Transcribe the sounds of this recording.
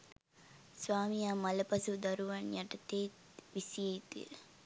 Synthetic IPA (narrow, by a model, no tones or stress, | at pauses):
sʋaːmijaːmɐlɐpɐsud̪ɐɾuʋɐnjɐʈːɐt̪ːe | ʋɪsijɐjt̪ːḭl